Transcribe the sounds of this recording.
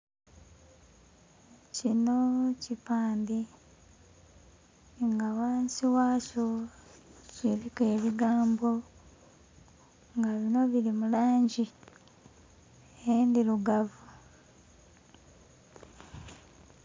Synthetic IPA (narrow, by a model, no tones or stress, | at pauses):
cino̞cipaːndi | ŋɡawaːnsiwaːso | ciɾike̞ːβiɡaːmbo̞ | ŋɡaβino̞βiɾimulaːɲɟi | eendiluɡavu